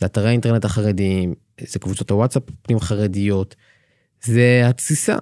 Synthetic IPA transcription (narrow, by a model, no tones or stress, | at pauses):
zeat̪aʁaint̪enetaχaʁediim | zekvut͡so̞t̪awatsappnimχaʁedijo̞t | zeat͡sisa̰